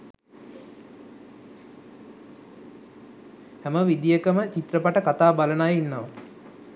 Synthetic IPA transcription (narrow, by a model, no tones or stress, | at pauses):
hɛməʋid̪ijəkəmət͡ʃit̪rəpaʈəkat̪aːbalənajinːoʋə